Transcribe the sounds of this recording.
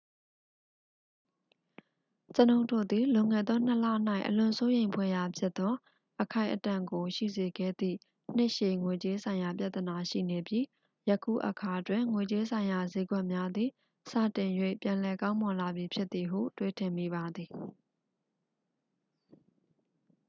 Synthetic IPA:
t͡ɕə˨nõ˨ʊ̃ntʰo̰˦˨d̪i˨lʊ̃˨ŋɛ̰˦˨d̪ðɔ˦n̥əlä̰˦˨n̥a˦ɪʔəlʊ̃˨so˦jẽ˨ɪ̃mpʰwɛ˦˨ja˨pʰjɪ˦t̪t̪ɔ˦ | ʔəkʰã˦˨ɪ̃ʔətã˨ŋɡo˨ʃḭ˦˨ze˨ɡɛ̰˦˨d̪ðḭ˦˨ | n̥ɪ˦ʔʃe˨ŋwe˨t͡ɕe˦sʰã˨ɪ̃ja˨p̬ja˦ʔ̪t̪ːə˨na˨ʃḭ˦˨ne˨bji˦ | jə˦kʰṵ˦˨ʔəkʰa˨ʔətwɪ̃˨ŋwe˨t͡ɕe˦sʰã˨ɪ̃ja˨ze˦ɡwɛ˦ʔmja˦d̪ði˨ | sä̰˦˨tɪ̃˨jwḛ˦˨pjã˨lɛ˨kã˦ʊ̃mɔ̃˨la˨bji˨pʰjɪ˦t̪ːi˨ɦṵ˦˨twe˦tʰɪ̃˨mi˨βa˨d̪i˨

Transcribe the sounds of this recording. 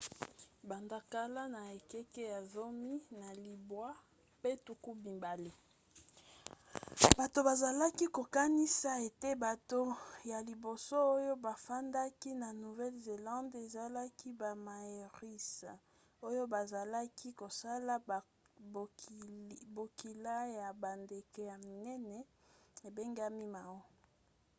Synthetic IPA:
ba˨nda˨ka˦la˦na˨e˨kɛ˦ke˦ja˨zo˦mi˦na˨li˨bwa˦ | pe˦tu˨ku˦bi˨mba˨le˦ | ba˨to˨ba˨za˨la˦ki˦ko˨ka˦ni˦sa˦e˨te˦ba˨to˦ja˨li˨bo˨so˦o˦jo˦ba˨fa˦nda˦ki˦na˨nu˨vɛ˦lze˨lɑ̃˦nde˨za˨la˦ki˦ba˨ma˨je˨ʁi˦sa˨ | o˦jo˦ba˨za˨la˦kʰi˦ko˨sa˦la˦˨ | bo˨ki˨la˦ja˨ba˨nde˨ke˨ja˨mi˨nɛ˦nɛ˨ | e˨be˦ŋɡa˦mi˦ma˨wo˦

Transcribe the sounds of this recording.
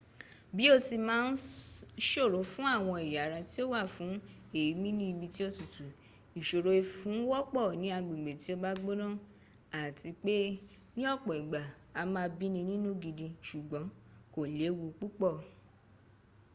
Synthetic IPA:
bi˨˦o˦ti˧mãː˦n̩˦ʃo˦˨ɾo˨˦fũ˦a˦˨w̃ɔ̃˧i˨ja˨ɾã˧ti˦o˦wa˦˨fũ˨˦ | e˦˨ji˨˦mĩ˦nĩ˦i˧bi˧ti˦o˦tu˨tu˨ | i˨ʃo˨ɾo˧i˧fũ˨˦wɔ˦k͡pɔ˦˨nĩ˨˦a˧ɡ͡bi˨ɡ͡be˨ti˨˦o˧ba˦ɡ͡bo˦nɔ̃˦˨ | a˨tʰi˧k͡pe˦ | nĩ˦ɔ˦˨k͡pɔ˨i˨ɡ͡ba˨ | a˧mãː˧˦bi˦nĩ˧nĩ˦nũ˦ɡi˧dĩ˧ʃu˨ɡ͡bɔ̃˨˦ko˦˨le˨˦wu˧k͡pu˦k͡pɔ˦˨

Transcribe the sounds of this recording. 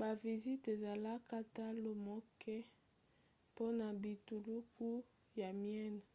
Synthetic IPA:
ba˨vi˨zi˦te˨za˨la˦ka˦ta˦lo˨mo˦kʰɛ˦ | po˦na˨bi˨tu˨lu˦kʰu˦ | ja˨mijɛ˦n˨

